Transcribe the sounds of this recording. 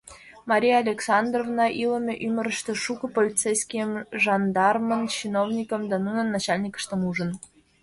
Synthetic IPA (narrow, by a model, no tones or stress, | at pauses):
mɑɾʲijːlʲeksɑnd̪rovnɑʔilə̆mʲeʔymʲəɾə̆ʃt̪ĕʃukɤ̆polʲit͡sejskʲijəmʒɑnd̪ɑrmənt͡ɕinovnʲikə̆md̪ɑnunənːɑt͡ɕɑlʲnʲikə̥ʃt̪ə̆muʒən